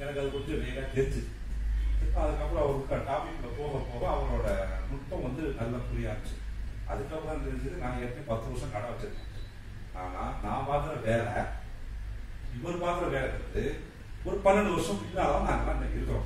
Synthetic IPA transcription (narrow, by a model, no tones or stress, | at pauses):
ɛnɐkːɐðɯkoʈːɯʋeːlaːt̪ɛɾɲd͡ʒɯ | pːɐ̃ɐðɯkːɐpɯɾɔ̃ɐʋɔɾkːɐʈaːmɪkːɽɐpoːɣɐpoːɣɐɐʋɐŋoːɽɐmʊʈpːɐ̃ʋɐnd̪ɯk̪ɐllːɐmʊɽɪjaːðɯt͡ʃːɯ̥ɐ̰ðɯkːɐpːɯɾɔːnt̪ɛɾɪɲd͡ʒɪðɯnaːŋɛːɐp̪ːɐjĩpɐt̪ːɯʋɐɾʂɐ̃kɐɽɐʋɐt͡ʃːɪɾɯkːḛ̃ | aːna̰ːnãːpaːt̪ɯɾɐʋeːlɐ̰ | ɪʋɐɾɯpaːk̪ɯɾɐʋeːlɐt̪ɪɾɐðɯ | ɔɾɯpɐnɐɳɖɯʋɐɾʂɐ̃ɪnaːlãːnaːŋɡɐnɐnːɐɪɾɯkːɐɾõ̰